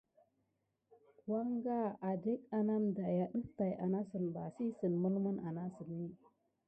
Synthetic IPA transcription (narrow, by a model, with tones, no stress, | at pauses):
twa˦ŋɡa˦˨a˨de˦k̚a˨na˦mda˨ja˨ɗə˦k̚ta˨jʔa˨na˦sə˨nba˨si˦sə˨nmə˦lmə˦nʔa˨na˦sə˨nːi˦